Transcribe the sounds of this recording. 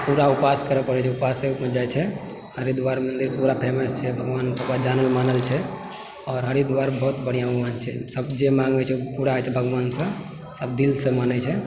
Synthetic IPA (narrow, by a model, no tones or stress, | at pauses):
puɾaupaskəɾəpəɾɛt͡ʃʰɛupaseupmed͡ʒajt͡ʃʰɛ | ɦəɾid̪waɾmənd̪iɾpuɾapʰeməst͡ʃʰɛbʱəɡʋant̪əkɾad͡ʒanəlmanəlt͡ʃʰɛ | ɔːɾɦəɾid̪waɾbəɦut̪bəɽ̤ijauɡmant͡ʃʰɛ̰səbd͡ʒemãŋɡɛt͡ʃʰɛpuɾaɛt͡ʃʰɛbʱəɡʋansə̃ | səb̚d̪ilsə̃manɛt͡ʃʰɛ